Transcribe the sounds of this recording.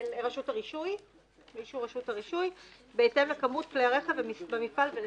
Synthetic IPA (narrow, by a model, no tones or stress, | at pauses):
leʁaʃutaʁiʃuj | miʃuʁaʃutaʁiʃuj | beːtemakamut̚kleaʁeχavemibemifalve